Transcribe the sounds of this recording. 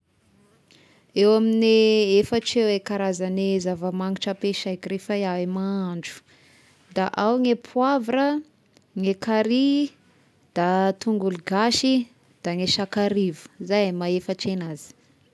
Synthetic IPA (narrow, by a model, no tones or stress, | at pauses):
ewaminiefaʈ͡ʂewekaɾazanezavəmaŋiʈ͡ʂəpeʃajkiɾefaaemaɳɖ͡ʐu̥ | d̪aʔawŋepʰuavrə | ŋekaɾi | d̪̥at̪uŋɡuluɡaʃi | d̪̥aŋeʃakaɾivu̥zajamaefəʈ͡ʂenazi̥